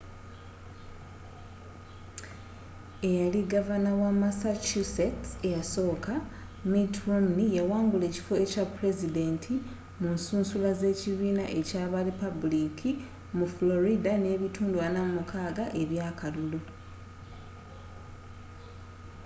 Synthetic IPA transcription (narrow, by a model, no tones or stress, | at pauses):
e̞jaliɡavanawamasat͡ʃusetejaso̞ːkʰa | mitromnijawaːŋɡule̞ːci̥foecapɾe̞zide̞ntʰi | munsuːnsulaze̞ːciβiːnaʔe̞caːβaɾipabulikʰi | mufulo̞ɾidane̞ːβituːnduwanamumukʰaːɡaʔe̞βjaːkalulu